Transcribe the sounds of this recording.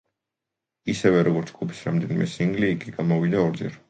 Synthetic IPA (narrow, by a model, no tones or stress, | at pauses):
isɛvɛɾɔɡɔɾt̪sʰɡʼupʰi̥sɾamd̪ɛnimɛsiŋɡliːkʼiɡamɔvid̪aɔɾd̪zɛ̰ɾ